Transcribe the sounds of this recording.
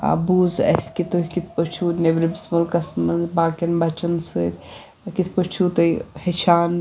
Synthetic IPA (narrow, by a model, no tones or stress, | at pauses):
a̰buːzɐ̰skit̪oɦʲkit̪ʰpət͡ʃʰunebɾibismulkɐsmɐzbaːkɐnbɐt͡ʃɐnsɨɾʲ | kit̪ʰpət͡ʃʰut̪oihet͡ʃʰaːn